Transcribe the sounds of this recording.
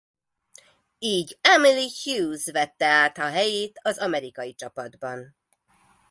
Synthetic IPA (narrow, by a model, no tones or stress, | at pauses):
iːɟɛmilihjuːzvɛt̪ːɛaːt̪hɒɦɛjeːt̪ɒzɒmɛɾikɒjit͡ʃɒpɒd̪bɒn